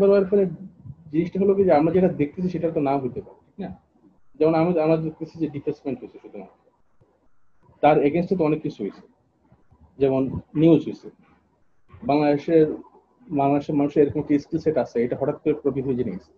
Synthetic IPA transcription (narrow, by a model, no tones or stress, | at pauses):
b̪aɾɔeɾfʰɔled͡ʑiniʃʈaɦolokid͡ʑeamɾad͡ʑeʈad̪ek̚ʰt̪et͡ɕʰiʃeʈat̪onamɡut̪epa̰ɾei̥kna | d͡ʑɛmonamiamɾad̪ek̚t̪et͡ɕʰid͡ʑeɖipeɾsimeɳʈɦojt͡ɕʰeʃut̪ːoma̰ | t̪aɾeɡensʈʰat̪oɔnekːit͡ɕʰuɦojt͡ɕʰe̥ | d͡ʑɛmonːiuzɦojt͡ɕʰe | baŋlad̪eʃeɾ | maŋlad̪eʃeɾmanuʃeɾeɾokomek̚ʈiiskilseʈat͡ɕʰeejʈaɦɔʈat̪̚koɾepɾopit̪ʰied͡ʑinḛḛsʰe̥